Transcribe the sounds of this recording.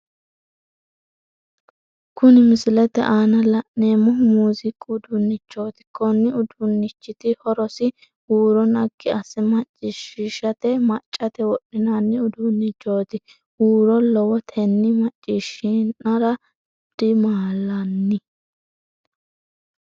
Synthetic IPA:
kʊnɪmɪsɪlɛt̪ɛ̰ʔaːnɐlɐʔneːmʊmuːzɪkʼʊd̪ʊnːɪt͡ʃːo̞ːt̪ɪ̥kɔnːɪʊd̪ʊnːɪt͡ʃːɪt̪ɪhɔɾɔsɪ | huːɾɔnɐɡːɪɐsɛmɐt͡ʃʼːɪʃɪʃɐt̪ɛmɐt͡ʃʼːɐt̪ɛwɔɗːɪnanːɪʊd̪ʊnːɪt͡ʃːo̞ːt̪ɪ | uːɾɔlɔwɔt̪ʰɛnːɪmɐt͡ʃʼːɪʃɪnɐɾɐ | d̪̥ɪmaːlɐnːɪ

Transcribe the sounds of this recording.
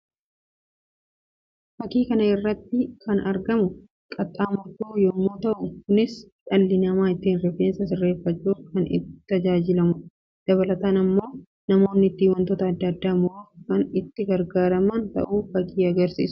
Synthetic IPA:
fɐkiːkɐnɐɪrːɐt̪ːɪkɐnɐɾɡɐmʊ | kʼɐt̪ʼːaːmɐtuːjɔmːoːt̪ɐʔʊkʊnɪs | ᶑɐlːɪnɐmaːɪt̪ːiːnrɛfeːnsɐsɪrːe̞ːfːɐt͡ʃːuːkɐnɪ̰t̪ːɐd͡ʒaːd͡ʒɪlɐmʊ | d̪̥ɐβɐlɐt̪aːnɐmːo̞ː | nɐmo̞ːnːɪːt̪ːiːwɐnt̪oːt̪ɐːd̪ːɐːd̪ːaːmʊɾoːfkɐnɪt̪ːɪɡɐɾɡaːɾɐmɐnt̪ɐ̰ʔuːfɐkʰiːɐɡɐɾsḭːs

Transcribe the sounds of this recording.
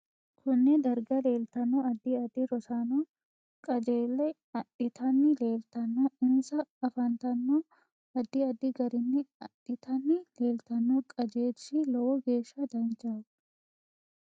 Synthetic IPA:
kʰʊnːɛd̪ɐɾɡɐle̞ːlt̪ɐnːoːɐd̪ːiɐd̪ɪɾɔsaːnoː | kʼɐd͡ʒeːlːɛ | ɐᶑɪt̪ɐnːɪle̞ːlt̪ɐnːɐɪnsɐɐfɐnt̪ɐnːoː | ɐd̪ːɪɐd̪ɪɡɐɾɪnːɪɐᶑɪt̪ʰɐnːɪleːlt̪ɐnːoːkʼɐd͡ʒe̞ːsilɔwɔɡe̞ːʃːɐd̪ɐnt͡ʃḁː

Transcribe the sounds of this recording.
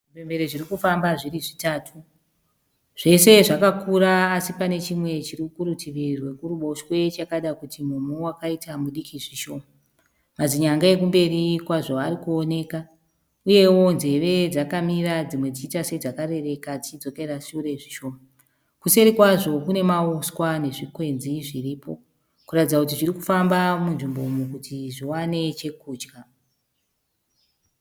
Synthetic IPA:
ipembeɾeʐirikufambaʐiriʐitaːtʰu | ʐ̥e̞se̞ʐakakuɾaːsipane̞t͡ʃimwe̞t͡ʃirikuɾutiʋirwe̞kuɾuɓo̞ʃwe̞t͡ʃakaɗakutimumuwakaitamuɗikʰiʐiʃo̞ːma | mad͡ziɲaŋɡae̞k̬umbe̞ɾikwaʐo̞aɾikuone̞ːka | uje̞wo̞nze̞ʋe̞d͡zakamirad͡zimwe̞d͡zit͡ʃitase̞d͡zakaɾe̞re̞kad͡zit͡ʃid͡zo̞ke̞raʃuuɾe̞ʐiʃo̞ːma | kuse̞ɾikwaʐo̞kune̞maoskwane̞ʐikwe̞nziʐiriːpo̞̰ | kuratid͡zakut̬iʐirikufambamunʐimbo̞mukutʰiʐiwane̞t͡ʃe̞kuːd͡ʒɡa

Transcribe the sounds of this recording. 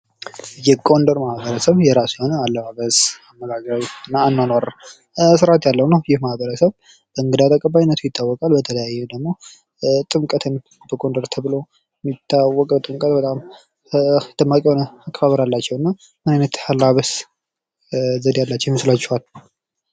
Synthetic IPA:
jɛɡʼo̞nd̪əɾmahbəɾəsəβjɛɾasjhonəalːəbaβəzamːəɡaɡɾawɨnːanːanaɾə | sɨɾʔat̪jalːəwnəwjɪhmahbəɾəsəβ | bəɨŋɡɨd̪at̪ʰəkʼəbːajinːət̪ʰujɪt̪ʰːawːɔkʼalbət̪ʰələjajːɛd̪əɡmo̞ | t̪ʼɨmkʼət̪ʰɨn | bəkʼo̞nd̪əɾt̪ʰəβɨlo̞ | jɛmːit̪ʰːawːɔkʼəwt̪ʼɨmkʼət̪bət̪ʼam | d̪̥ɨmːakʼihonəakʼːəfaβəɾalːat͡ʃːɛwɨnːa | mɨnajnət̪halːaβəs | zəd̪jalːat͡ʃːɛwjməslat͡ʃːɛhal

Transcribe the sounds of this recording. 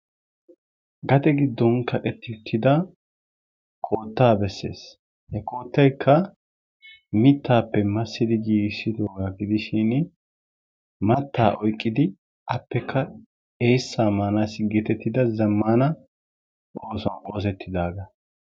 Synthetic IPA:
ɡɐt̪ɛɡɪd̪ːɔnkʰɐtʼɛt̪ːɪʊt̪ʰːɪd̪ɐ | kʰʼo̞ːt̪ːaːbɛsːe̞̰ːs | hɛkʼo̞ːt̪ːɐjkʰːɐ | mɪt̪ʰːaːpːɛmɐsːɪd̪ɪɡiːɡsɪd̪o̞ːɡaɡɪd̪ɪʃɪn | mɐt̪ːaːʔɔjkʼːɪd̪ɪ | ʔɐpːɛkʰːɐ | eːsːaːmaːnasɡɛt̪ɛt̪ːɪd̪ɐzɐmːaːnɐ | ʔoːsɔno̞ːs̬ɛt̪ʰːɪd̪aːɡɐ

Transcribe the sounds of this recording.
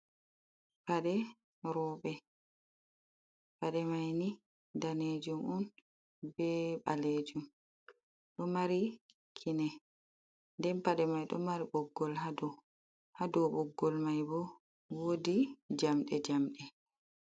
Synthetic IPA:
paɗɛ | ɾɔɓɛ | paɗɛmajni | daned͡ʒumun | bɛɓa̰led͡ʒum | ɗɔmaɾi | kʰinɛ | ndɛnpaɗɛmajɗɔ̰maɾiɓɔɡːɔlɦadɔ | hadɔɓɔɡːɔlmajbɔ | wodid͡ʒamɗɛd͡ʒamɗɛ

